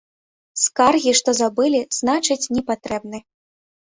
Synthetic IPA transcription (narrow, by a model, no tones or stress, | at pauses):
skarɣʲiʂt̪ɔzabɨlʲiz̥nat͡ʂɨt͡sʲnʲɛpat̪ɾɛbnɨ